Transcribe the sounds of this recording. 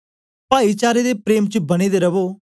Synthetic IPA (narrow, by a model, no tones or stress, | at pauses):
paːit͡ʃaːɾed̪eːpɾeːmt͡ʃəbɐɽ̃iːd̪eːɾɐʋoː